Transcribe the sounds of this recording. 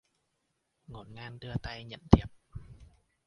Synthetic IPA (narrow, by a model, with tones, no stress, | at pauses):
ŋo˨˩nŋaː˧nɗɨ˧ət̪a˧jɲə̰˧˨nt̪ʰi˨˩əp̚